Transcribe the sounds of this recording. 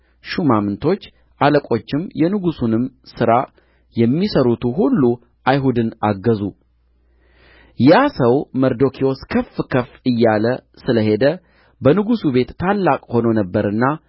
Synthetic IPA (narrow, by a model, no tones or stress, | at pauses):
ʃumamnt̪ʰo̞t͡ʃː | ʔaləkʼo̞t͡ʃːɪmjɛnɨɡusunɨmsɨɾa | jɛmːisəɾut̪ʰuɦulːu | ʔajɦud̪ɨnaɡːəzu | jasəwməɾd̪o̞kʰio̞skʰəfːkʰəfɨjːalə | sɨləɦe̞d̪ə | bənɨɡusube̞t̪ːʰalːakʼho̞nonəbːəɾɨnːa